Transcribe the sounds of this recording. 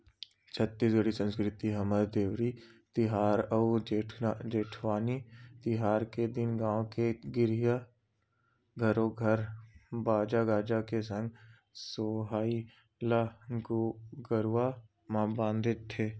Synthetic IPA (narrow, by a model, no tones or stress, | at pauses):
t͡ʃʰət̪ːis̬ɡəɽisə̃nskɾɪt̪iɦəməd̪d̪eːʋɾit̪ɪɦaːɾəueʈʰd͡ʒeːʈʰʋaːnit̪ɪɦaːɾked̪ɪnɡãːõkeɡɪɾija | ɡʱəɾõɡʱəɾbaːd͡ʒaɡaːd͡ʒakesə̃ŋɡ | soːɦaːi | laɡɡəɾʋa | mãbãːnd̪ʱɪt̪ʰːeː